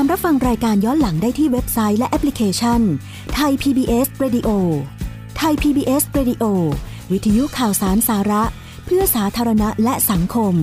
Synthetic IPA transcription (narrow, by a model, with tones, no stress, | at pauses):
a˧mɾa˦˥fa˧ŋɾaː˧jkaː˧njɔː˦˥nla˩˦ŋdaː˥˩jt̪ʰiː˥˩we˦˥p̚sa˦˥jlɛ˦˥ʔɛ˦˥pʰli˦kʰeː˧t͡ɕʰa˥˩n | t̪ʰa˧jpʰiː˧biː˧ʔeː˦˥sɾeː˧di˧ʔoː˧ | t̪ʰa˧jpʰiː˧biː˧ʔeː˦˥sɾeː˧di˧ʔoː˧ | wi˦t̪ʰːa˧ju˦˥kʰaː˨˩wsaː˩˦nsaː˩˦ɾa˦˥ʔ | pʰɯ˥˩ɐsaː˩˦t̪ʰaː˧ɾa˧na˦˥lɛ˦˥ʔsa˩˦ŋkʰo˧m